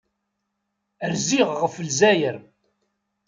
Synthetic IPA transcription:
əɾziʁʁəfəlzæjəɾ

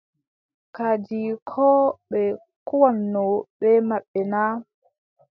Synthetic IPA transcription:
kad͡ʒikʰɔːɓɛ | kuwanːɔɓɛmaɓːɛnaː

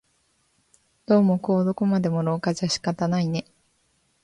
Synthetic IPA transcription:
d̪̥o̞ːmo̞ko̞ːd̪o̞komad̪e̞moɾo̞ːkaʑaɕi̥kat̪anaine̞

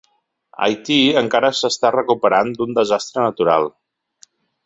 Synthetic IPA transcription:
a̰jt̪iəŋkaɾəsəst̪arəkupəɾand̪und̪əzast̪ɾənət̪uɾa̰lˠ

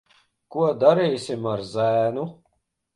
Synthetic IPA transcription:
kuɔd̪aɾiːsʲimaɾzæːnu

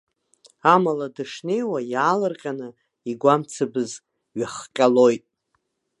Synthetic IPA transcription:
amaladɨʂne̞jwajaːlɨrqʲʼanɨ | iɡʷamt͡sʰɨbɨz | ɥaχqʲʼalo̞jtʼ

